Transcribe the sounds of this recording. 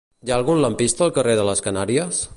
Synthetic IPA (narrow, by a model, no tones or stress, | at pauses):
jaəlˠɣunləmpist̪əːlˠkəreðələskənaɾiəs